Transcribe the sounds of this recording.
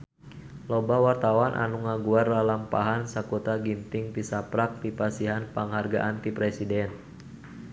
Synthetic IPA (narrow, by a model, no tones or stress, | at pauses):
lɔbawart̪awanʔa̰nuŋaɡuarlalampaɦansakɔt̪aɡint̪ɪŋt̪isapɾak̚t̪ipasiɦanpaŋɦarɡa̰ʔant̪ipɾɛsidɛn